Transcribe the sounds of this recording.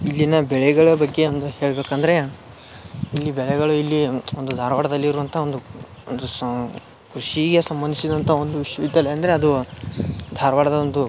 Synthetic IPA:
ilːinɐbɛɭɛɡɐɭɐbɐɡːe̞ond̪uhe̞ːɭbeːkɐnd̪ɐɾe̞ | ilːibɛɭɛɡɐɭuilːiond̪ud̪ʱaːɾɐʋaːɽɐd̪ɐlːiːɾuʋɐnt̪ʰɐo̞nd̪u | ond̪u | kɾuʂiɡe̞sɐmbɐnd̪ʱisid̪ɐnt̪ʰɐo̞nd̪uʋiʂjɐʋid̪jɐleɐnd̪ɐɾeɐd̪u | d̪ʱaːɾɐʋaːɽɐd̪ɐond̪u

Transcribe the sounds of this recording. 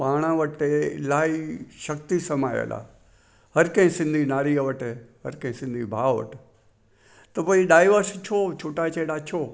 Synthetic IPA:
paːɽ̃ãʋɐʈelaːiʃɐkt̪isɐmaːjə̰la̰ | hɐɾkɐ̃ɦɪ̃sɪ̃nd̪ʱinaːɾiəʋəʈɦɐɾkɐ̃ɦɪ̃sɪ̃nd̪ʱibʱaːʋʋə̰ʈ | t̪ɐpɐiɗaːɪʋəɾst͡ʃʰot͡ʃʰoːʈaːit͡ɕeɗaːt͡ʃʰoː

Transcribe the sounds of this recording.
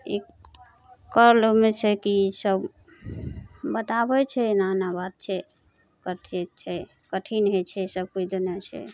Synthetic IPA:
i | kəɾlomet͡ʃʰɛkisəb | bət̪abɛt͡ʃʰɛnanabad̪̚t͡ʃʰɛ | kəʈʰit̪t͡ʃʰɛ | kəʈʰinɦet͡ʃʰɛsəb̚kut͡ʃʰd̪unjat͡ʃʰɛ̰

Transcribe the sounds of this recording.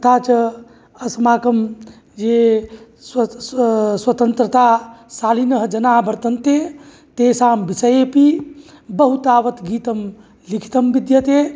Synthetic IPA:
t̪ʰat͡ʃə | əsmaːkəm | d͡ʒe | s | swət̪ənt̪ɾət̪asaːlinəɦd͡ʒənabəɾt̪ənt̪e | t̪esaːmbisəjepi | bəɦut̪aːʋət̪ɡiːt̪əm | likʰi̥t̪əmbid̪jət̪e

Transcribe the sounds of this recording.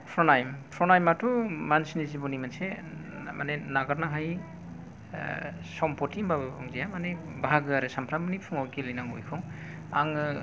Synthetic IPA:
pʰɾɔnajmpʰɾɔnajmatʰumansinizibɔnimanse | ma̰nenaɡaɾnaɦaj | sɔmpʰɔtimbababʰɔŋzijamane | baɦaɡɯaɾɯsampʰɾamɯnipʰuŋɔkilɯjnaŋṵjkʰɔŋ | a̰ŋɯ

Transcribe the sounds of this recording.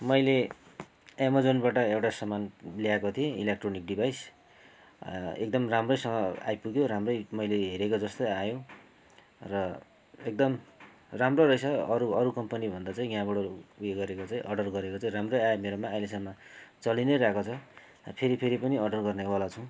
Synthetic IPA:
mʌjle | emod͡zonbaʈʌewʈasʌmanliakot̪ʰiẽilek̚ʈronik̚ɖibʱajs | ḛk̚d̪ʌmramrʌjsʌŋɡʌa̰jpuɡjoɾamrʌjmʌjleɦeɾekod͡zʌst̪ʌjajõ | rʌ | ek̚d̪ʌm | ramroɾʌjsʌʌɾuʌɾukʌmpʌnibʱʌnd̪at͡saĩɡjãbʌɽʌueɡʌɾekot͡saĩʔʌɖʌrɡʌɾekot͡saĩɾamrojajmeɾomaːjlesʌmat͡sʌlinʌjɾakot͡sʰʌ | ʌpʰeɾipʰeɾipʌniʌɖʌrɡʌrnewalat͡sʰʌ̃

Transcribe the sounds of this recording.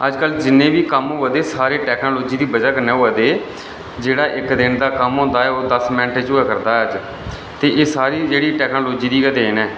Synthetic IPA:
əd͡ʒkəld͡ʒɪnːẽːʋiːkəmoːʋəd̪eːsaːɾeːʈɛːkʰnoːloːd͡ʒiːd̪iːbəd͡ʒaːkəɾneːoːəd̪eː | d͡ʒeːɽaːʔɪkd̪ɪnd̪aːkəmõːnd̪aːɛːoːd̪əsmɛ̃nʈɛːt͡ʃoːɛːkəɾd̪aːɛəd͡ʒ | t̪eːʔeːsaːɾiːd͡ʒeːɽiːʈɛːknoːloːd͡ʒiːd̪iːkəd̪eːnɛː

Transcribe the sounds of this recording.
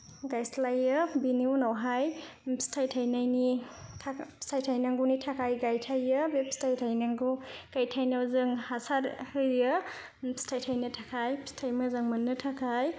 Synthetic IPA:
ɡajslajɯbiniwnawɦajstʰajtʰajnajnitʰastʰajtʰajnaŋɡunitʰakʰajɡajtʰajɯbep̚stʰajtʰajnaŋɡuɡ̥ajtʰajnawzɯŋhasaɾhɯɾɯ | stʰajtʰajnɯtʰakʰajstʰajmɐzaŋmɯnːɯtʰakʰaj

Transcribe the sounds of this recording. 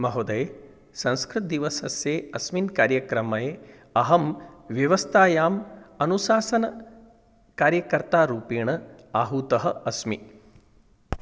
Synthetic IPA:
mɐɦod̪ɐje | sɐ̃nskɾɨt̪̚d̪iʋɐsɐsjeːɐsminkaːɾjɐkɾɐmɐjeː | ɐɦɐmʋjɐʋɐst̪ʰaːjaːmɐnusaːsɐnɐ | kaːɾjɐkɐɾt̪aːɾuːpiːɳɐaːɦuːt̪ɐɦɐɐsmi

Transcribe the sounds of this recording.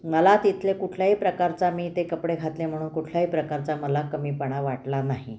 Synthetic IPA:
məlat̪it̪ʰlekuʈʰlaɦiːpɾəkaɾt͡samiːt̪ekəpɽeɡʱat̪lem̤əɽ̃uːnkuʈʰlaɦiːpɾəkaɾt͡saməlakəmiːpəɳ̃aʋaʈlanaɦḭ

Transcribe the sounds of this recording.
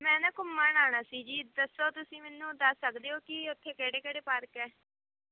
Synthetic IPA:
mɛ̃ːnɛːkʊmːaːnaːnaːsiːd͡ʒiːd̪əsːoːt̪ʊsĩːmɛːnũːd̪əsːəkd̪eːoːkɪʊt̪ʰːeːkɛːɽeːkɛːɽeːpəɾkɛː

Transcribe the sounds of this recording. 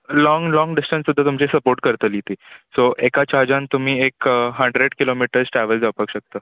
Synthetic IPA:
lɔŋɡlɔŋɡɖisʈənsud̪ʱːat̪umt͡ɕesəpoɾʈ̚kəɾt̪əlit̪iːsoekat͡ɕaɾd͡ʑant̪um̤iːekɦəɳɖɾeɽkilomiʈəɾsʈɾæʋəld͡zapəkɕək̚t̪əː

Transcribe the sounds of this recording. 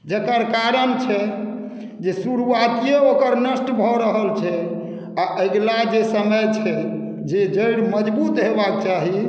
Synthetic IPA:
d͡ʒekəɾkaɾənt͡ʃʰɛ | d͡ʒesuɾuat̪ijeokəɾnəsʈbʱɔɾəɦəlt͡ʃʰɛ | aʔeɡlad͡ʒesəməjt͡ʃʰɛ | d͡ʒed͡ʒəjɽməd͡ʒbut̪ɦebak̚t͡ʃaɦi

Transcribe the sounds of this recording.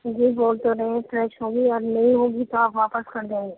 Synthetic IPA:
d͡ʒeboːlt̪oɾɐɦeɛ̃fɾɛːʃɦõːɡiɔːɾnɐɦĩɦõːɡit̪oaːpʋaːpəskɐɾd͡ʒ̪ẽːɡe

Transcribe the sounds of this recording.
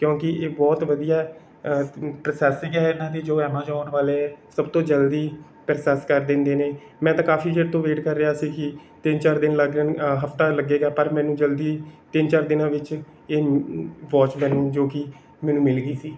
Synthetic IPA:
kjõːkɪʔeːbɔːt̪ʋəd̪ijaː | pɾəsɛːsɪ̃ŋɡɛːɪnãːd̪iːd͡ʒoːɛːmãːd͡ʒaːnʋaːleːɛːsəbt̪õːd͡ʒəld̪iː | pɾəsɛːskəɾd̪ẽːnd̪eːneː | mɛ̃ːt̪ãːkaːpʰiːd͡ʒəʈt̪õːʋeːʈkəɾːɪaːsiːkɪt̪ɪnt͡ʃaːɾd̪ɪnləɡənɦəpʰt̪aːləɡːeːɡaːpəɾmɛ̃ːnũːd͡ʒəld̪iːt̪ɪnt͡ʃaːɾd̪ɪnãːʋɪt͡ʃ | eːʋɔːt͡ʃmɛ̃ːnũːd͡ʒoːkɪ | mɛːnũːmɪlɡiːsiː

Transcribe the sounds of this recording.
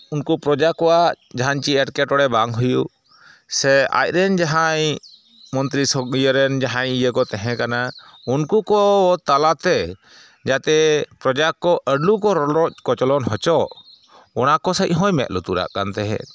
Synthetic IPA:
unkupɾɔd͡ʒakːɔwa | d͡ʒaɦaɲt͡ʃiɛʈkɛʈɔɽɛbaŋɦuju | sɛa̰c̚ˀɾɛnd͡ʒaɦaɲ | mɔnt̪ɾisɔɡijəɾɛnd͡ʒaɦaɲijəkɔt̪ɛɦɛ̃kana | unkukɔbɔt̪alat̪ɛ | d͡ʒat̪ɛpɾɔd͡ʒakːɔʔəɖlukɔɾlɔkɔt͡ʃɔlɔnhɔt͡ʃɔʔ | ɔnakɔsəc̚ˀɦɔ̃jmɛ̰t̪̚lut̪uɾa̰ʔkant̪ɛɦɛ̰

